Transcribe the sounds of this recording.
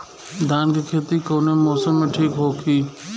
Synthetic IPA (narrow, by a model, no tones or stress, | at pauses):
d̪ʱaːnkeːkʰeːt̪ikoːneːmoːsəmːẽʈʰiːkɦoːkʰiː